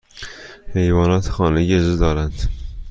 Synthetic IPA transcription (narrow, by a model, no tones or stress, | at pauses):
hejvɑːnɑːt̪ʰxɑːneɡezid̪ɒːɾænd̪̥